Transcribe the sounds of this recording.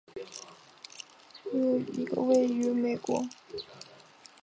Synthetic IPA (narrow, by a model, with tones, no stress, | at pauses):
jo˨˩ʊḭ˧˥ɡə̰˧we˥˩ɪy˧˥me˨˩ɪkwɔ˧˥